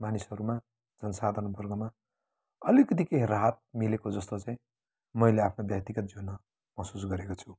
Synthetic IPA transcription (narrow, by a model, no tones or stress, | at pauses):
manisɦʌɾuma | d͡zʌnʌsad̪ʱʌnbʌrɡʌma | ʌlikʌt̪̬ikeɾaɦʌt̪̚milekod͡zʌst̪ot͡saĩ | mʌjleapʰnobjʌk̚t̪iɡʌt̪̚d͡zonʌ | mʌsus̬ɡʌɾekot͡sʰu